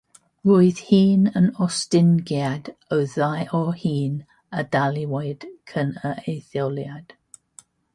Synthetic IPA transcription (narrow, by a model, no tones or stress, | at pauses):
ɹʊɪð̥hiːnənɔstɪnɡiad̥əwðajɔhiːn | ədaliwejd̥kʰənəeθjoljad̥